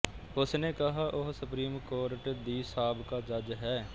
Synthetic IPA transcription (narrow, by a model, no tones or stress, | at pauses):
ʊsnekɐɦaːʔʊɦsʊpɾiːmkoːɾʈd̪iːsaːbkaːd͡ʒəd͡ʒɦɛː